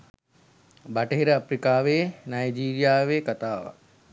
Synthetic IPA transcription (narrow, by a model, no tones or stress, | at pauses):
baʈəɦiɾəɐpɾikaːʋeːnajd͡ʒiːɾijaːʋeːkat̪aːʋa̰